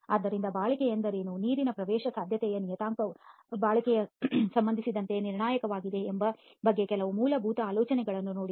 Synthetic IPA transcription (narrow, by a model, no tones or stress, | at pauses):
aːd̪ːɐɾind̪ɐbaːɭɐkɛjɐnd̪ɐɾeːnuniːɾinɐpɾɐʋɛːʃɐsaːd̪ʱjɐt̪ɛjɐnijɐt̪aːŋkɐ | baːɭɐkɛjɐsɐmbɐnd̪isid̪ɐnt̪e̞niɾɳaːjɐkɐʋaːɡid̪e̞ːmbɐ | bɐɡːe̞kɛlɐʋumuːlɐbʱuːt̪ɐaːlɔːt͡ʃɐnɛɡɐɭɐnːuno̞ːɽi